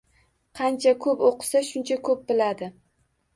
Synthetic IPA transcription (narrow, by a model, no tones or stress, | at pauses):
qʰɑnt͡ʃʰakʰɵpoqʰɨ̥saʃʊnt͡ʃʰakʰɵp̚bɪlad̪ɪ